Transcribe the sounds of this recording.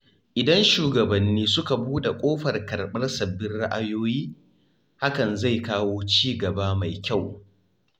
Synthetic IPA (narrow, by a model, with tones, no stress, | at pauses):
ʔɪ˨dɐ˦nʃuː˨ɡɐ˨bɐ˨nːiː˦sʊ˦ka˨buː˦ɗa˨kʷʼoː˦ɸɐ˨rkɐ˨rɓɐ˦rsɐ˨bːɪ˦nɽa˦ʔa˦joː˦jiː˦ | ha˦kɐ˨nza˦˨jkaː˦woː˦t͡ʃiː˦ɡɐ˨baː˦ma˨jkʲa˦˨w